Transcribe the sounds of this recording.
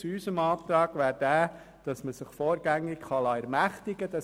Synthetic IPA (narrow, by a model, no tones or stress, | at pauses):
t͡sysəmɑːt̪ɾɑːɡʋæːɾd̥æː | d̥ɑsməsɪχfoːɾɡæŋːɪkχɑlɑːɛɾmæχtɪɡəd̥ɑ